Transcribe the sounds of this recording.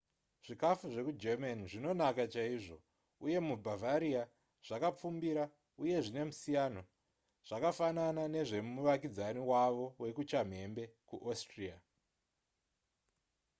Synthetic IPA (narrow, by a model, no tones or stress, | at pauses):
ʐ̥ikafuʐe̞kud͡ʒemaniʐino̞nakat͡ʃaiʐo̞ | uje̞mubʱavaɾia | ʐ̥akap͡fumbiɾa | uje̞ʐine̞musijano | ʐ̥akafananane̞ʐe̞muʋakid͡zaniwaʋo̞we̞kut͡ʃam̤e̞mbe̞kuʔostria